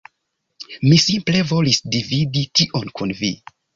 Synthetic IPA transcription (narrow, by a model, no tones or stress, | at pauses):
misimple̞vo̞lisdividitiʔonkunvḭ